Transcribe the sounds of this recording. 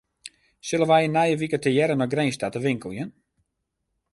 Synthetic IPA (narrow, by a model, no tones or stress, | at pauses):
sɪlənʋɛjənajəʋikətəjɛɾənɔxɡreːnstatəʋɪŋkəlˠjən